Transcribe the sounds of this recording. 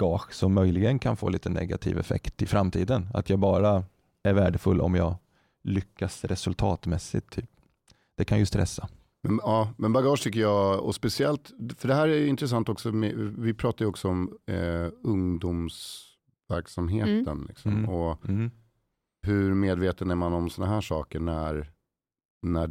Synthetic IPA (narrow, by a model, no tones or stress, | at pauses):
ɡɑːɧsɔmːœjlɪɡənkʰanfo̰ːliːt̪ənɛ̰ɡa̰t̪ʰḭːvɛ̰fɛ̰kt̪ɪfɾamt̪ʰiːd̪əna̰t̪ʰjɑːɡbɑːɾa | æɾvæːɖəfɵlːʔɔ̰mjɑːɡ | lʏkːasɾɛsɵlt̪ʰɑːt̪mɛsːɪ̰t̪ʰːyːp̚ | d̪̥ɛkʰanjɵst̪ɾɛsːa | mɛnɑːmɛnbaɡɑːʂt̪ʰʏkːəjɑɔ̰spɛsɪɛlt̪fœɖɛɦæːɾæjɪnt̪ɾɛs̬ant̪ɔksɔmɛvɪpʰɾɑːt̪ajɔksɔɔm | ɵŋd̪uːms | væɾksamɦeːt̪ənlɪ̰ksɔ̰mɔ | ɦɵɾmeːd̪veːt̪ənæɾmanɔmsɔnaɦæːʂɑːkəɳæɾ | næ